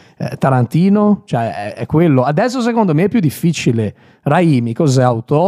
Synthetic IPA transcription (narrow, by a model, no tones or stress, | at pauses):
ɛt̪aɾant̪iːnot͡ʃoɛɛ̰ɛkːwelːoad̪ɛsːos̬ekond̪omeɛpːjud̪ːifːit͡ʃile | raiːmikozɛawt̪ɔ